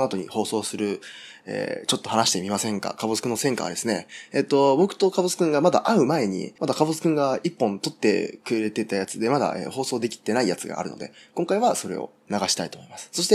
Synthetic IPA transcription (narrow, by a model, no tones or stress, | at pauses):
at̪o̞ɲ̟ḭho̞ːso̞ːsɨɾɯ̟ | ḛːt͡ɕo̞t̪ːo̞hanaɕi̥t̪e̞mʲimasẽ̞ŋka̰kabot͡sɨ̥kɯ̟nːo̞sẽŋka̰a̰d̪e̞sɨne̞et̪ːobo̞kɯ̟̥t̪o̞kabot͡sɨ̥kɯ̟̃ŋɡamad̪a̰ʔaɯ̟mae̞ɲ̟ḭmad̪akabot͡sɨ̥kɯ̟̃ŋɡaipːõ̞nt̪o̞t̪ːe̞̰kɯ̟eɾe̞t̪e̞t̪ajat͡sɨd̪e̞mad̪a̰ʔḛho̞ːso̞ːd̪e̞kʲi̥t̪ːe̞naijat͡sɨɡa̰ːɾɯ̟̰no̞̰d̪e̞̰kõŋkaiβaso̞ɾe̞̰o̞̰ | naɡaɕi̥t̪ait̪omo̞imasɨ̥so̞ɕi̥t̪e